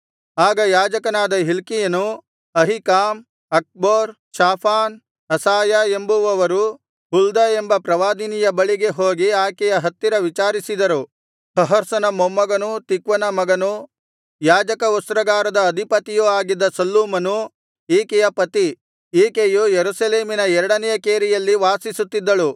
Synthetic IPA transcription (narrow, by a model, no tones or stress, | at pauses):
aːɡɐjaːd͡ʒɐkɐnaːd̪ɐɦilkijɐnu | ɐɦikaːm | ɐk̚boːɾ | ʃaːpʰaːn | ɐsaːjɐe̞mbuʋɐʋɐɾu | ɦuld̪ɐe̞mbɐpɾɐʋaːd̪inijɐbɐɭiɡe̞ɦoːɡiaːkɛjɐɦɐt̪ːiɾɐʋit͡ʃaːɾisid̪ɐɾu | hɐɦɐɾsɐnɐmomːɐɡɐnut̪ikʋɐnɐmɐɡɐnu | jaːd͡ʒɐkɐust̪ɾɐɡaːɾɐd̪ɐːd̪ʱipɐt̪ijuaːɡid̪ːɐsɐlːuːmɐnu | iːkɛjɐpɐt̪i | iːkejujeɾusɐleːminɐɛɾɐɽɐnɛjɐkeːɾijɐlːiʋaːsisut̪ːid̪ːɐɭu